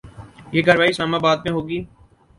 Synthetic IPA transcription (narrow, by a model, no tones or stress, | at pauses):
jeːɡəɾʋaːisaːmãːbaːd̪̚mẽɦoːɡiː